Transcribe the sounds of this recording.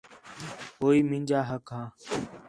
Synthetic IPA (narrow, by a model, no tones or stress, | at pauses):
ɦoːiːmɪ̃ːɲʲd͡ʒaːɦəkɦãː